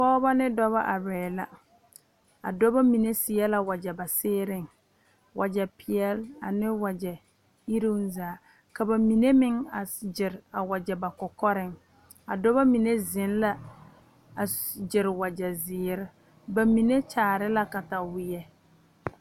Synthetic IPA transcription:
pɔː˦ba˦nɪ˦dɔ˦βa˦ʔa˨bɛː˨la̰˨ | a̰˨dɔ˦ba˦mi˨ne˦sɪ˨ɛ˦la˦wa˨d͡ʒɛ˨ba˨sɪː˦ɾɪ˦ŋ | wʔa˨d͡ʒɛ˨pɪ˨jɛ˦la̰˨nɪ˦wa˨d͡ʒɛ˨ | i˦ɾi˦nzaː˨˦ | ka˨ba˨mi˨ne˦mɪ˦ŋa˨d͡ʒɪ˨ɾa˨wa˨d͡ʒɛ˨ba˨kɔ˨kɔ˦ɾɪ˦ŋ | a˨dɔ˦βa˦mi˨ne˦zɪ˨˦n˦la˦ | a˨d͡ʒɪ˨ɾɪ˨wa˨d͡ʒɛ˨zɪː˨˦ɾɪ˦ | ba˨mi˨ne˦t͡ʃaː˨ɾɪ˦la˦ka˨ta˨wɪ˦jɛ˦

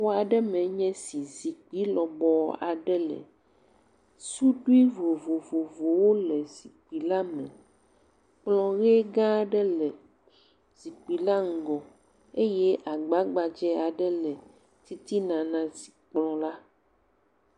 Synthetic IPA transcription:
wo˦a˨ɖɛ˦mɛ̃˨ɲɛ̃˦si˨zi˨k͡pi˦lɔ˨bɔ˨a˨ɖɛ˦lɛ̰˨ | su˦ɖu˦i˦vo˨vo˨vo˨vo˨wo˦lɛ˨zi˨k͡pi˨la˦mɛ̰̃˨ | k͡plɔ̃˦ɣe˦ɡã˦ɖɛ˦lɛ˨ | z̥i˨k͡pi˨la˦ŋ̩˨ɡɔ˨ | e˦jɛ˦ʔa˨ɡ͡ba˦ɡ͡ba˨d͡ʒɛ˦a˨ɖɛ˦lɛ˨ | t̪i˦t̪i˦nã˨nã˨z̥i̥˨k͡plɔ̃˦la˦

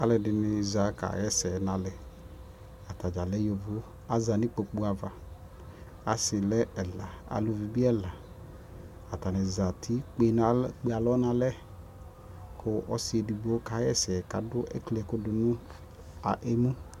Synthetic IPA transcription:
a˨˦lɛ˨dɪ˨nɪ˨za˨˦ka̰˨jɛ˦sɛ˨nã˨lɛ˨ | a˨ta˨d͡ʒa˨lɛ˦jo˨vʊ˦ | a˦za˨nɪ˦k͡po˨k͡pu˦a˨va˨ | a˨sɪ˨lɛ˦ɛ˨la˨a̰˨lʊ˨vi˨bi˦ɛ˦la˨ | a˨ta˨nɛ˨za˨tʰi˦k͡pe˦na˨k͡pe˦a˨lɔ˦nã˨lɛ˦ | kʰʊ˦ʔɔ˦sɪ˦e˨di˨ɡ͡bo˨˦ka˨˦jɛ˦˨sɛ˨ka̰˨dʊ˦ʔɛ̰˦klɛ˨kʊ˦dʊ˨nʊ̃˦ | a˨ʔe˦mũ˦

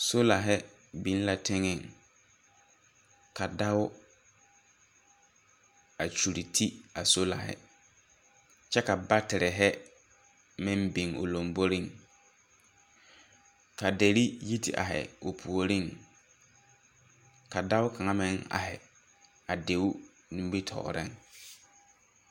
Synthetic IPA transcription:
so˦la˨ɦɛ˦ | bi˨˦n˦la˨tʰɪ˦ŋɪ˨ŋ | ka˨da˦ʊ˦ | a˨t͡ʃu˨ɾi˨tʰi˦a˨so˦la̰˨hɪ̰˦ | t͡ʃɛ˦ka˨ba˦tɪ˨ɾɪ˨ɦɛ˦ | mɪ̃˦mbi˨ŋo̰˨lo˨mbo˦ɾi˦˨ŋ | ka˨de˨ɾi˦ji˦tʰɪ̰˨ʔa̰˨ɦɛ̰˨o˨pʰu˨o˨ɾi˦˨ŋ | ka˨da˦wʊ˦kʰa˨ŋa˦mɪ˦ŋa̰˨hɪ̰˨ | a˨de˨˦ʊ˦ | nĩ˦m˦bi˦tʰɔ̰˨ɾɪ̰˦˨ŋ

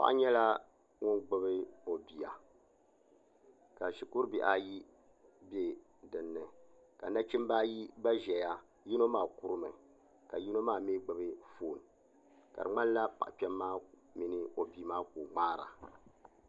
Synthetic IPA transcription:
pa̰˦ʔɲɛ˦la˦ | ŋʊ˦nɡ͡bɨ˦bɨ˦o˨bi˨a˨ | ka˨ʃi˨ku˦ɾbḭ˨ʔa˨ji˦ | be˨ | dɨ˨nːɨ˨ | ka˨na˦t͡ʃi˦m˦ba˦ji˦ba˦ʒɛ˨ja˦ | ji˦no˦maː˦˨ku˦ɾɨ˦mɨ˨ | ka˨ji˦no˦maː˦˨meː˦ɡ͡bɨ˨bɨ˦foː˨n˨ | ka˨ɨ̰˨ŋ͡ma˦nla˦pa̰˨ʔpɛ˦mːaː˦ | mi˨nɨ˦o˨bi˨˦maː˦ku˨ŋ͡maː˦ɾa̰˨

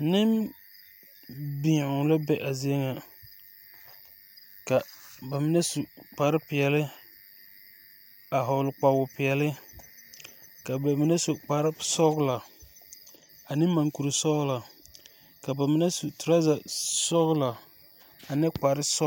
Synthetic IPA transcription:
nɪ˦m | bi˨ʊ˨la˦bɛ˦ʔa˨zi˦ŋa˨ | ka˨ba˨mɪ˦nɛ˦su˨k͡pa˨ɾɪ˦pɪ˨ɛ˨lɪ˦ | a˨ɦa˨lʊ˨k͡pa˨bʊ˨pɪ˨ɛ˨lɪ˦ | ka˨ba˨mɪ˦nɛ˦so˨k͡pa˨ɾɪ˦sɔ˦ɣʊ˦la˨ | a˨nɪ˦ma˨ŋku˨ɾɨ˨sɔ˦ɣʊ˦la˨ | ka˨ba˨mɪ˦nɛ˦su˨tʊ˨ɾa˦za˨sɔ˦ɣʊ˦la˨ | a˨nɨ˦k͡pa˨ɾɪ˦sɔ˦

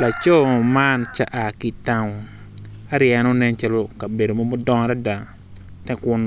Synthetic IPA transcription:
la˨t͡ʃɔ˦˨ma˦nt͡ʃa˦ʔa˨ki˨ta˦ŋɔ˨ | a˦ɾjɛ˨no˦nɛ˦nt͡ʃa˦lo˦ka˨be˨do˨mo˦mʊ˦dɔ˦ŋ˨˦ɾɛ˦da˨ŋ | tɛ˦kʊ˦n

